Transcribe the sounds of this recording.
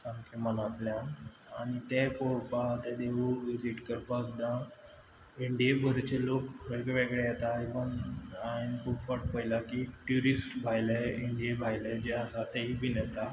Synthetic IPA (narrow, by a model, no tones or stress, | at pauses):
sãŋkʰemənat̪ljã | anit̪epopat̪ed̪eʋuʋid͡ʑiʈkəɾpakd̪ã | iɳɖijebʱəɾt͡ɕelokʋekeʋeɡɭejet̪aikənainkʰuːpfəʈ̚pəjlakiʈjuɾisʈbʱajleiɳɖijebʱajled͡ʑeəsat̪eɦibʱinɛt̪a